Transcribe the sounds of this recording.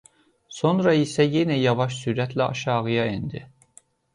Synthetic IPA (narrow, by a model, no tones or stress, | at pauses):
so̞nɾɑisæjenæjɑvɑʃsyɾæt̪ʰlæɑ̰ʃɑːɣɯjɑind̪i